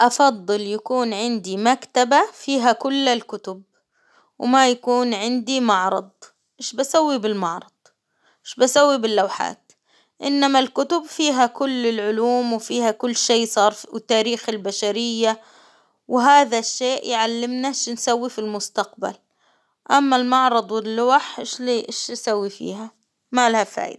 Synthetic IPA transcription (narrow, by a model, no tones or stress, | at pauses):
ʔɑfɑd̪ˤːɨljakuːnʕɪnd̪imakt̪abafiːɦakʊlːalkʊt̪ʊb̚ | wmajakuːnʕɪnd̪imɑʕɾˤɑd̪ˤ | mɪʃbasawːibɪlmɑʕɾˤɑd̪̥̚ˤ | mɪʃbasawːibɪlːawħa̰ːt̪ | ʔɪnːamalkʊt̪ʊbfiːɦakʊlːɪlʕʊluːmwɪfiːhakʊlːʃeːsˤɑːɾˤwt̪ːaːɾiːxɪlbaʃaɾɪjːa | wɦaːðaʃːeːʔjʕalːɪmnaʃnsawːifilmʊst̪aq̚ba̰l | ʔamːalmɑʕɾˤɑd̪ˤwɪlːʊwaħʃliʔʃsawːifḭːha | malahafa̰ːʔɪ̰d̪